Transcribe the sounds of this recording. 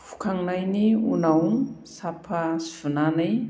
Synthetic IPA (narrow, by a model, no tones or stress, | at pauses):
fu̥kaŋinajniṵnawŋ | sapʰasi̥v̥unanaj